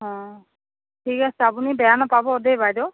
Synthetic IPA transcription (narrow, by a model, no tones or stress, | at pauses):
ɦɔ̃ | tʰikasɛapunibɛjanapabɔːdebajdɔ